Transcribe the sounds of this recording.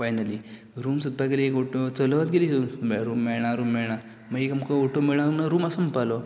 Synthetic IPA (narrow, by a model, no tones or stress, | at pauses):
fajnali | ɾuːmsut̪̚pakəɾiekoʈot͡səlʋat̪̚ɡelisumɾuːmːɛɭɳ̃aɾuːmːɛɭɳ̃aɾ | məɡekamkooʈomeɭɳ̃aɾumnaɾuːmasəmpalo